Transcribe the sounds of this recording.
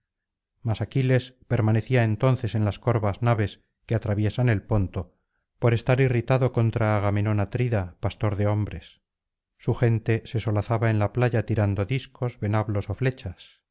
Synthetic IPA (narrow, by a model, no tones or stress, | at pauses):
masakile̞spe̞ɾmaneθiaent̪o̞n̟θe̞se̞nlasko̞ɾβaznaβe̞s | keat̪ɾaβje̞sane̞lpo̞nt̪o̞ | po̞ɾe̞st̪aɾirit̪aðo̞ko̞nt̪ɾaːɣame̞no̞nat̪ɾiðapast̪o̞ɾðe̞o̞mbɾe̞sː | uxe̞nt̪e̞se̞so̞laθaβaenlaplaʝat̪iɾand̪o̞ðiskʰo̞zβe̞naβlo̞so̞fle̞t͡ʃas